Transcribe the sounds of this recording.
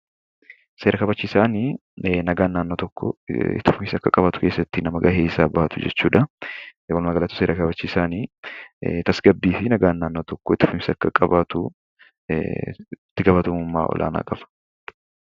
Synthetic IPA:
se̞ːɾʔɐkɐbɐt͡ʃːiːsaːniːnɐɡaːnːaːnːoːt̪ɔkːɔ̰ɪ̰t̪ːɪfʊmsɐkːɐkʼɐbaːt̪ʊ̥ke̞ːsːɐt̪ːɪnɐmɐɡɐheːsaːbɐhɐt̪ʊ̥d͡ʒɛ̰t͡ʃːuːᶑɐwɐlmɐɡɐlɐt̪ʊ̥seːɾʔɐkɐbɐt͡ʃːisaːniː | t̪ɐsɡɐbːiːfɪnɐɡaːnːaːnːoːt̪ɔkːɔɪt̪ːɪ̥fʊmsɐkːɐkʼɐbaːt̪ʊ | ɪt̪ːɪɡɐfɐt̪ɐmʊmːa̰ːʔɔ̰lʔa̰ːna̰ːkʼɐfɐ̥

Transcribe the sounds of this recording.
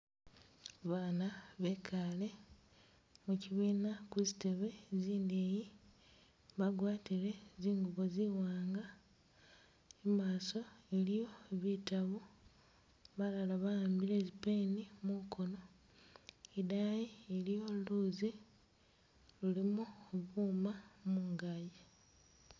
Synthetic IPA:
βaːnaβe̞kʰale̞ | muciβiːnakuzite̞βe̞ziːndeːji | βaɡwaːtiɾe̞ziːŋɡuβo̞ziwaːŋɡa | emaːso̞elijo̞βitaβo | βalalaβajaːmbiɾe̞zipeːnimukʰo̞no̞ | idajielijo̞luːzi | lulimuoβuːmamuːŋɡaje

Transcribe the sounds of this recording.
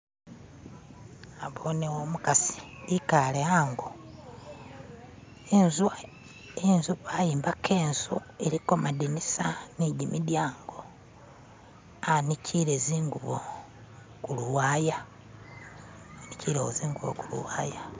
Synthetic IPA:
aβonewomukasi̥likaleaːŋɡo | enz | enzuβajiːmbakʰeːnzueɾiko̞madinisaniɟimidjaːŋɡo | anicʰiɾeziːŋɡuβo | kuluwaja | aniciɾeoziːŋɡuβo̰kulṵwaːja

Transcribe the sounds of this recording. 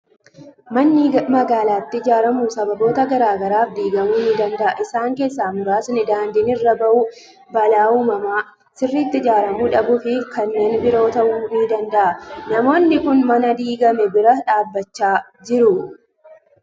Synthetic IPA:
mɐnːɪmɐɡaːlaːɪt̪ːɪd͡ʒaːɾɐmuːsɐbɐbo̞ːt̪ɐɡɐɾaːɡɐɾaːfd̪iːɡɐmuːnɪd̪ɐnd̪ɐʔɐʔɪsaːŋke̞ːs̬ːaːmʊɾaːsnɪd̪aːnd̪inɪrːɐbɐʔuː | bɐlaːuːmɐmaː | sɪrːiːt̪ːɪd͡ʒaːɾɐmuːᶑɐbʊfɪkɐnːe̞ːnbɪɾo̞ːt̪ɐʔuːmiːd̪ɐnd̪ɐʔɐnɐmo̞ːnːɪkʊnmɐnɐd̪iːɡɐmɛbɪɾɐᶑaːbːɐt͡ʃːaː | d͡ʒɪɾʊ

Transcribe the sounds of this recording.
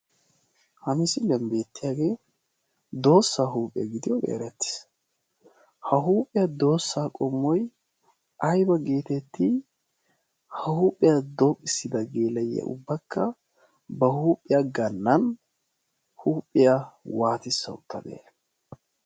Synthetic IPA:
hɐmɪsɪlɛmbe̞ːt̪ːɪjaːɡe̞ː | d̪o̞ːsːaːɦuːpʼːɪjɐɡɪd̪ɪjɔbḛːɾɛt̪ːɪ̥s | hɐɦuːpʼːɪjɐd̪o̞ːsːaːkʼɔmːɔj | ʔɐjbɐɡe̞ːt̪ɛt̪ːi | hɐhuːpʼːɪjad̪oːkʼːɪsːɪd̪ɐɡe̞ːlɐjɐ̰ʔʊ̰bːɐkːɐ | bɐhuːpʼːɪjaɡɐnːɐn | huːpʼːɪjawaːt̪ɪsːɐʊ̰t̪ʰːɐ̰d̪ḛː

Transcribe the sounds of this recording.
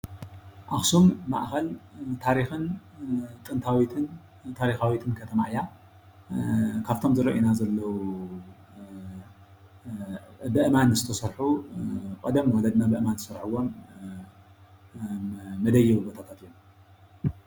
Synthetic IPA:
ʔaxsumːa̰ʔxɐlt̪ʰaɾixɨn | t̪ʼɨnt̪ʰawit̪ʰɨn | t̪ʰaɾixawit̪ʰɨnkʰɐt̪ʰɐma̰ʔja | kʰaβt̪ʰo̞mzɨɾɐ̰ʔinazɐlːɐwu | bɨʔɨmanzɨt̪ʰɐsɐɾħukʼɐd̪ɐmwɔlɐd̪nabɨʔɨmanzɨsɐɾħɨwo̞m | ɐd̪ɐjːɛwɨbot̪ʰat̪ʰat̪jom

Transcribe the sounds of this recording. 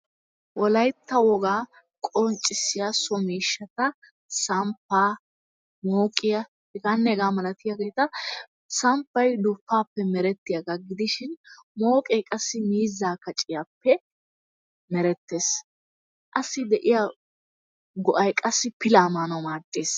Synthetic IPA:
wɔlɐjt̪ːɐwɔɡaː | kʼɔnt͡ʃʼːɪsːɪjɐsɔmiːʃːɐt̪ɐ | sɐmpːaː | moːkʼɪjɐ | ɛɡanːɛɛɡaːmɐlɐt̪ɪjaɡeːt̪ɐ | sɐmpːɐjd̪ɔfːaːpːɛmɛɾɛt̪ːɪjɐɡɐɡɪd̪ɪʃɪnmoːkʼɛjkʼɐsːɪmiːzːaːkɐt͡ʃʼɪjapːɛ | mɛɾɛt̪ːe̞ːs | ʔɐsːɪd̪ɛʔɪja | ɡɔʔɐjkʼɐsːɪpɪlaːmaːnɐmaːt̪ʼːeːs

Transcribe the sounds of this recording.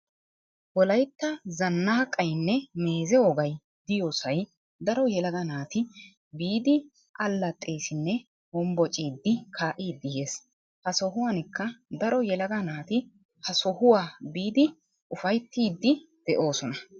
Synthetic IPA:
wɔlɐjt̪ːɐzɐnːɐɐkʼːɐjnːɛme̞ːzɛɔɡɐj | d̪̥ɪjoːsɐj | d̪ɐɾɔjɛlɐɡɐnaːt̪ɪ | biːd̪ɪ | ʔɐlːɐt̪ʼːeːsɪnːɛ | ɔmbɔt͡ʃʼiːd̪ːɪkʰaːʔiːd̪ːɪjeːs | hɐsɔɦʊwaːnɪkːɐd̪ɐɾɔjɛlɐɡɐnaːt̪ɪ | hɐsɔhʊwaːbiːd̪ɪ | ʔʊfɐjt̪ːiːd̪ːɪd̪̥ɛʔo̞ːsɔnɐ

